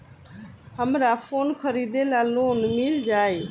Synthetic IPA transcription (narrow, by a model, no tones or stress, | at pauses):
həmɾapʰoːnkʰəɾiːd̪elaːloːnmɪld͡ʒaːeː